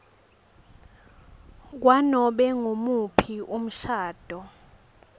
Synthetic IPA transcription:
k̬wanɔɓɛŋomupʰiʔum̩ʃaːd̥ʱɔ

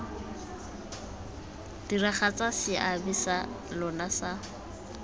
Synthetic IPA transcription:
d̥iraχat͡sʼasɪʔabisa | lɔnasa

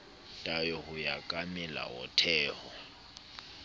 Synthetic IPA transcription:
tʼajɔhʊjakʼamɛla̰wɔ̰tʰɛːhɔ

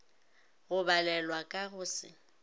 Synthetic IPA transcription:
ɣʊbalɛlwakʼaɣʊːsɪ̰

